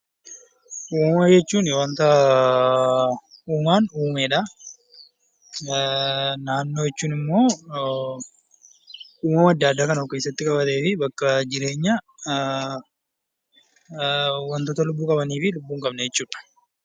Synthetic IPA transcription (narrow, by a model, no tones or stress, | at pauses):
ʔuːmɐjɛt͡ʃːuːnɪwɐnt̪ɐ | uːmaːnuːmeːᶑa | naːnːo̞ːjɛt͡ʃːuːnɪmːo̞ː | uːmɐmɐd̪ːaːɐd̪ːaːkɐnɐɔkːɐɪsɐt̪ːɪkʼɐbɐt̪e̞ːfɪbɐkːɐd͡ʒɪɾe̞ːɲːɐ | wɐnt̪ɔt̪ɐlʊbːuːkʼɐbɐniːfɪlʊbːuːŋkʼɐbnɛjɛt͡ʃːuːᶑɐ̥